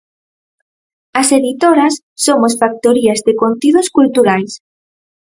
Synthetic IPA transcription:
ɐseðit̪oɾasːomosfak̚t̪oɾiazðekont̪ið̞oskult̪uɾajs

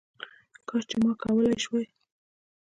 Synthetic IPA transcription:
kɑt͡ʃemɑkawəlajʃwaj

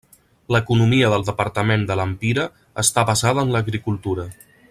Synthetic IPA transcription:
ləkunumiəðəlˠd̪əpəɾt̪əmend̪ələmpiɾəː | st̪aβəzaðəːnləɣɾikulˠt̪uɾə

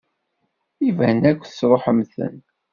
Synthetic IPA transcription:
ivænækʷːθsɾˤoħəmθə̰n

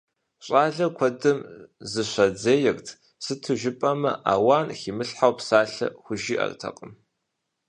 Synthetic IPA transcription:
ɕʼaːɮɐkʷʰɐdɨmzɨɕʷɐd͡zeːjɛrtʰ | sɨtʰɨʒɪpʼɐmɐ̰ʔaːwaːnxiːmɨɬħawpsaːɬɐ̰xʷʊʒiːʔɐ̰rtʰɐ̰qʼəm

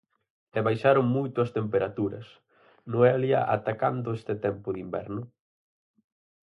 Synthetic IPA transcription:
ɛβajʃaɾʊŋmujt̪ʊɐst̪empeɾat̪uɾɐ̰s | noɛljɐ̰ʔa̰t̪akand̪ʊest̪ɪt̪ɛmpʊðimbɛ̰ɾnʊ

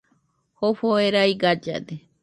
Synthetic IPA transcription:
hoɸoeɾajɡad͡ʒa̰d̪e

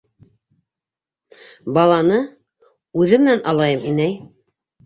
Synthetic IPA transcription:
bɑlˠɑnɤ | ʉðɘmɘ̆nænɑlˠɑjɤminæj

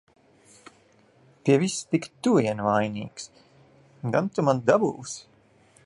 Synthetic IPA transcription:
piɛvist̪ikt̪uiɛnvajnḭːks | d̪ant̪umand̪abuws

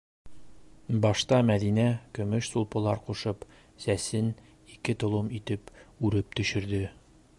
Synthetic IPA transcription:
bɒʃt̪ɑmæd̪inækɵ̆mɵʃsulˠpɤ̆lˠɑɾquʃɤp | sæsɘn | ikɘt̪ŏlˠɤmit̪ɘpʉɾɘp̚t̪ɵ̆ɕɘ̆ɾd̪ɘ

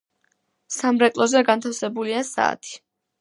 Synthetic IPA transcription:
samɾɛkʼlˠɔzɛɡant̪ʰafsɛbuliasa̰ːt̪ʰi̥

